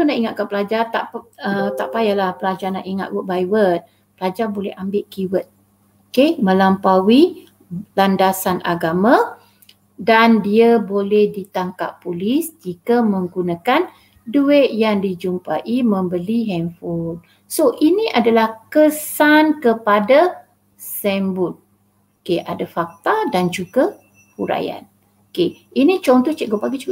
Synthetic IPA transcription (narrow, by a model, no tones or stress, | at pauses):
unaʔiŋat̪̚kanpəlad͡ʒart̪aʔət̪aʔpajalahpəlad͡ʒarna̰ʔiŋa̰t̪̚wət̪̚bajwət̪̚ | pəlad͡ʒarbolɛhambɪʔkiwət̪̚ | okemə̃lampawi | landasanʔa̰ɡamã | dandiabolɛhdit̪aŋka̰ʔpːulisd͡ʒikamə̃ŋɡunakan | duɛʔ̪jaŋdid͡ʒumpaʔimə̃mbəliɦɛnfɔd̚ | soʔinĩʔadalahkəsankəpada | sɛmbut̪̚ | okeʔa̰dafak̚t̪adand͡ʒuɡa | huɾa̰ja̰n | okeʔinĩt͡ʃɔŋt̪ut͡ʃɛʔɡupaɡit͡ʃuɡ